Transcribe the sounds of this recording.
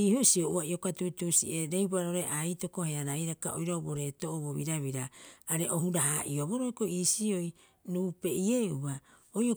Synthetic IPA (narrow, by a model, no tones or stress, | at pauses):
iːhusioʔuaio̞katutusḭeɾejbaɾoɾe̞ʔajto̞ko̞heaɾajɾaka̰ʔo̰jɾoboɾe̞toʔoβoβiɾaβiɾaːɾe̞ʔoɦuɾaɦaʔioβo̞ɾoeko̞iːsioj | nuːpe̞ʔieuβa | ojo